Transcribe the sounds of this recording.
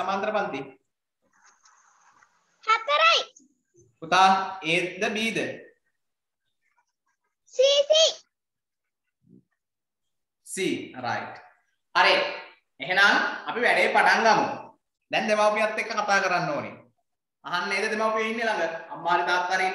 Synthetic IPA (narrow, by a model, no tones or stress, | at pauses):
amant̪ɾəpant̪i | hat̪ːəɾajʈ | ut̪aːeːd̪əbiːd̪ə | siːsi | siːɾa̰jʈ | ɐɾe | eɦenaŋɐpiʋæɖejpaʈaŋɡamṵ | d̪ɛnd̪emaupijat̪ːekːəkat̪aːkəɾanːoːnḛ | aɦanːeːd̪əd̪emaupijeɦinːelaŋɡəamːaːɾit̪aːt̪ːaːɾiːn